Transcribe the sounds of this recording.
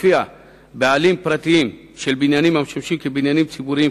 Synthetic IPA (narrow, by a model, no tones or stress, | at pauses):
fija | baːlimpɾɐt̪im | ʃelbinjanimɐmʃɐmʃimkebinjanimt͡sʰibuɾi